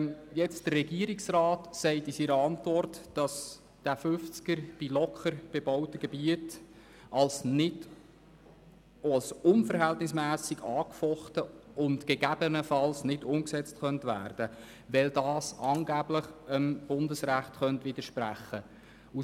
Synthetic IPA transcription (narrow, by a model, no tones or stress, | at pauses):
jɛt͡std̥ərrɛɡiəɾɪksrɑːtsɛɪtisiɾəɑntvɔrtːd̥ɑs | d̥æfʏft͡skəɾb̥ilɔkχəɾb̥ɛbɔʊtəɡɛbiət | ɑlsnɪd | lsʊnfəɾɦæltnɪsmæːsɪɡɑːkfɔχtəʊntɡ̥ɛɡæb̥ənəfɑlsnɪdʊmksɛt͡stχœntʋæ̰ːrd̥ə | ʋɛldɑːsɑːŋɡæbləχəmb̥ʊndəsɾæχtχœntʋɪd̥̪əʃpɾæχːə | u